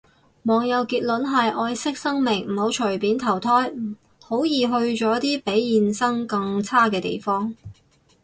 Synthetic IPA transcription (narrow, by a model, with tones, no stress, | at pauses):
mɔː˨˩ŋjɐ˨˧wkiː˧t̚lɵ˨˥nɦɐ˨jʔɔː˧jsɪ˥k̚sɐ˥ŋmɪ˨˩ŋm̩˨˩ho˨˥wt͡ʃʰɵ˨˩ɥpiː˨˥nt̪ʰɐ˨˩wt̪ʰɔː˥j̩˨˩ | ho˨˥wjiː˨˧ɦɵ˧ɥt͡ʃɔː˨˥t̪iː˥pe˨˥jjiː˨nsɐ˥ŋkɐ˧ŋt͡sʰaː˥kɛː˧t̪ḛ˨jfɔː˥ŋ